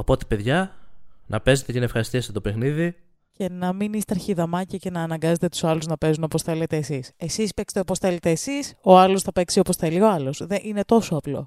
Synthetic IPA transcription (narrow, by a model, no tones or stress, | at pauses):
opo̞t̪e̥pe̞ðʝɐnʔɐpe̞zet̪ecenɐefxɐɾist̪iɐset̪o̞pe̞xniði | ce̞nɐminist̪ɐɾçiðɐmɐciɐce̞nɐːnɐŋɡɐze̞t̪et̪u̥sɐluznɐpe̞zuno̞po̞sθe̞le̞t̪e̞ːsise̞sispe̞kst̪opo̞sθe̞le̞t̪e̞ːsiso̞ɐlosθɐpe̞ksioposθe̞lio̞ɐlo̞sðeʔine̞t̪o̞soɐplo̞̰